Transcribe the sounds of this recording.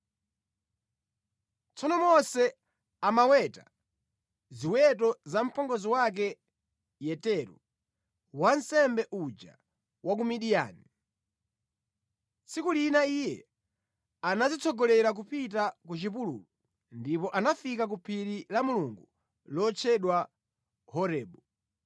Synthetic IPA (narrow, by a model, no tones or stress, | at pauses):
t͡sɔnɔmɔsɛ | amawɛta̰ | ziwɛt̬ɔzam̩pʰɔŋɡɔziwak̬ɛ | jɛtɛɾu | wan̩sɛmbɛʔud͡ʒa̰ | wʔak̬umiɗija̰ːni | sikulinaijɛ̰ | anazit͡sʰɔɡɔlɛɾak̬upit̬akut͡ʃip̬ulṵːlu | ndipɔʔanafikak̬upʰiɾilamuluŋɡu | lɔt͡ʃʰɛɗwa | hɔɾɛːɓɔ